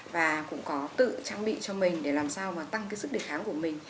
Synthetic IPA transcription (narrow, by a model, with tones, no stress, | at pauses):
vaː˨˩kʊ̰˧˥ŋ͡mkɔ˨˦t̪ɨ̰˧˨t͡ɕaː˧ŋɓḭ˧˨t͡ɕɔ˧mï˨˩ŋ̟ɗe˧˩laː˨˩msaː˧wmaː˨˩t̪a˧ŋkaː˨˦jsɨ˦˥ɗe˧˩xaː˨˦ŋku˧˩əmï˨˩ŋ̟